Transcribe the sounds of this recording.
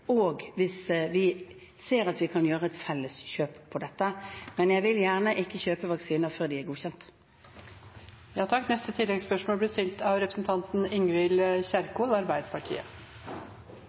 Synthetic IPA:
oːɡʋɪsʋɪ | seːɾɑt̪ʋɪkʰɑnjøːʁəɛt̪fɛlːəsɕøːpʰːɔd̪ɛt̪ːəmɛnjæɪʋɪljæːʁnəʔɪkːəçøːpəʋɑksiːnəʁfœʁd̪ɪæʁɡuːçɛnt̪ | jɑːt̪ʰɑkːnɛst̪ət̪ʰɪlːɛɡspœʂmoːlb̪ɪst̪ɪlt̪ʰɑʋɾɛpɾəsn̩t̪ʰɑnt̪n̩ɪŋʋɪlçæɾkuːlɑɾbæɪd̪əpʰɑʈʰḭːə̰

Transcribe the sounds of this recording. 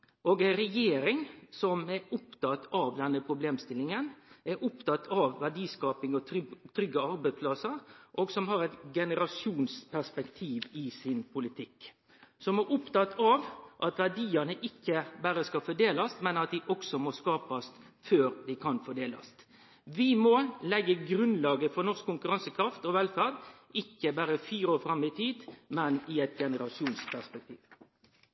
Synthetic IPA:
ʔoːɡæɪɾɛjeːɾɪŋsɔmɛɾʊpt̪ɑt̪ːɑʋd̪ɛnːəpʰɾʊbleːmst̪ɪlːɪŋənɛɾʔʊpt̪ɑt̪ʰːɑʋːæɖiːskɑːpɪŋɔt̪ʰɾʏɡəɑɾbæɪspʰlɑsəɾʔoːɡsɔmɦɑɾɛt̪ɡɛnəɾɑsjuːnspʰæʂpɛkt̪ʰiːʋɪsɪnpʰʊlɪt̪ʰɪkː | sɔmæʔʊpt̪ɑt̪ʰːɑʋʔɑt̪ʋæɖiːɑnəʔɪkːəbæːɾəskɑfɔɖ̪eːlɑst̪mɛnɑt̪̚d̪ɪʔɔksɔmɔskɑːpɑst̪ | føːɾd̪ɪkʰɑnfɔɖeːlɑ̰st̪ | ʋɪmɔlɛɡːəɡɾʉnd̪lɑːɡəfɔɾnɔɾskʰːʊŋkʉɾɑnsəkʰɾɑft̪ɔʋɛlfæɾd̪ | ɪkːəbæɾəfyːɾoːɾfɾɑmːɪt̪ʰiːd̪mɛnɪɛt̪ɡɛnəɾɑsɪuːnspʰæspɛk̚t̪ʰiːʋ

